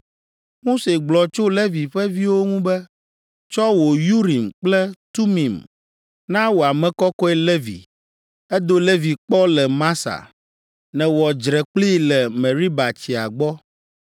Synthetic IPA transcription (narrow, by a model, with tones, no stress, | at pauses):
mo˦se˨ɡ͡blɔ˨t͡ʃo˦le˦vi˨ɸɛ˦vi˦wo˦ŋũ˦bɛ˦ | t͡ʃɔ˦wo˨ju˦ɾi˨mk͡plɛ˦t̪u˦mĩ˨m | nã˦wo˨a˨mɛ̃˨kɔ˦kɔ˦ɛ˦le˦vḭ˨ | ɛ˦d̪o˦le˦vi˨k͡pɔ˦lɛ˨mã˦sa̰˨ | nɛ̃˨wɔ˨d͡ʒɾɛ˨k͡pli˦lɛ˨mɛ̃˨ɾi˦ba˨t͡ɕi˨a˨ɡ͡bɔ˦